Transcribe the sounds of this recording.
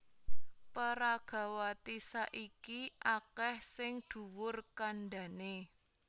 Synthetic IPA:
pəɾaɡ̥a̤wat̪isaʔikiʔakɛhsɪŋd̪̥ṳwʊrkanɖa̤ne

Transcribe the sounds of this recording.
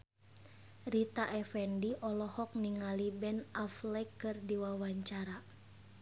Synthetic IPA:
rit̪aʔɛfɛndiʔɔlɔhɔk̚niŋalibɛnaflɛkːɨrdiwawaɲt͡ʃaɾa

